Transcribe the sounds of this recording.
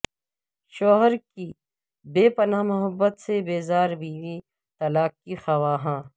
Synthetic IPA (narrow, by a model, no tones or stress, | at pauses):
ʃoːɦəɾki | beːpɐnaːmʊɦəbːət̪sebeːzaːɾbiːʋi | t̪ɐlaːkkixɐwaːɦãː